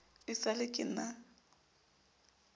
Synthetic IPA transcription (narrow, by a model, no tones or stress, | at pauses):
pʼɪsalɪkʼɪ̰na